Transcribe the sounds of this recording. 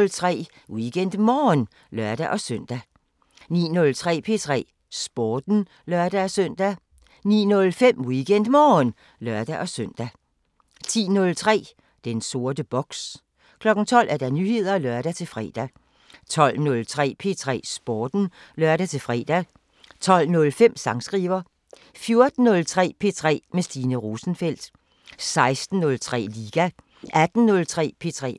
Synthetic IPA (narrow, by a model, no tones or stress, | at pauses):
lt͡sʰʁɛ̰ː | wiɡ̥en̰d̥mɒːn | lɶɐd̥æʔɒ̽søn̰d̥æ | nḭːnɔ̽lt͡sʰʁɛ̰ːpʰe̝̰t͡sʰʁɛ̰ː | sb̥ɒːd̥n̩ | lɶɐd̥æɒsœn̰d̥æ | nḭːnɔ̽lfem̰wiɡ̥en̰d̥mɒːn | lɶɐd̥æʔɒ̽søn̰d̥æ | t͡sʰḭːnɔ̽lt͡sʰʁɛ̰ː | d̥enso̝ɐd̥əb̥ɒ̽ɡ̥s | kʰlɒ̽ɡ̥n̩t͡sʰɒ̽l̰ʔæɐd̥ænyhe̝ð̞̰ˠɐlɶɐɾ̥æt͡sʰe̝lfʁɛ̰ːd̥æ | t͡sʰɒ̽l̰nɔ̽lt͡sʰʁɛ̰ːpʰe̝̰t͡sʰʁɛ̰ːsb̥ɒːd̥n̩lɶɐɾ̥æt͡sʰe̝lfʁɛ̰ːd̥æ | t͡sʰɒ̽l̰nɔ̽lfem̰sɑ̈ŋsɡ̥ʁiːʋɐ | fjo̝ɐd̥n̩ːɔ̽lt͡sʰʁɛ̰ːpʰe̝t͡sʰʁɛ̰ːmesd̥iːnəʁo̝ːsn̩fel̰d̥ | sɑ̈ɪsd̥n̩ːɔ̽lt͡sʰʁɛ̰ːliːɡ̥æ | ʔæd̥n̩ːɔ̽lt͡sʰʁɛ̰ːpʰe̝̰t͡sʰʁɛ̰ː